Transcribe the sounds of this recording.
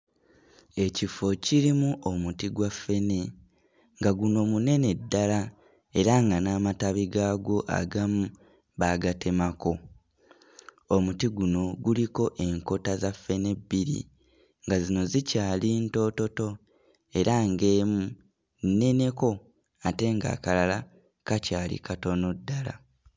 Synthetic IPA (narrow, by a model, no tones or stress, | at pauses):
e̞cifo̞ciɾimuʔo̞mutiɡwafːe̞ne̞ | ŋɡaɡuno̞mune̞ne̞dːala | e̞ɾaŋɡanaːmataβiɡaːɡo̞ʔa̰ɡamu | βaɡatʰe̞mako̞ | omutiɡuno̞ɡuliko̞ʔe̞ŋko̞tazafːe̞ne̞bːiɾḭ | ŋɡazino̞zicaːlinto̞to̞to̞ | e̞ɾaŋɡe̞ːmu | nnːe̞ne̞ko̞ | ate̞ŋɡa̰ːkalala | kacaːlḭkʰato̞no̞dːala̰